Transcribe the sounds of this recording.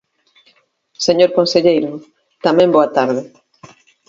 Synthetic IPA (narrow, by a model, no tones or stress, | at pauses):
seɲoɾkõnseʎejɾʊ | t̪amɛ̃mboat̪aɾð̞ɪ